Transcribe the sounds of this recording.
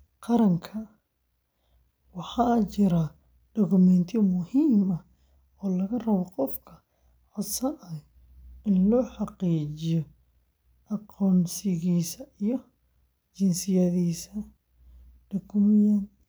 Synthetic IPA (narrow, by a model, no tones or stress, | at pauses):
qɑɾɐŋkʰɐ | wɑħɑːt͡ʃɪɾa | ɖ̥ɔɣʊmɛːnt̪ʰɪmʊhiːmɐ | ɔːlɐɣɐrɐβɔqɔfkʰɐ | ħʊsɐʔɐ | ʔɪnlɔːħɑqiːt͡ʃɪjɔ | ʔɑqɔːnsɪɣiːsɐijɔ | t͡ʃɪnsɪjɐðiːsɐ | ɖ̥ɐɣʊmɪjɐn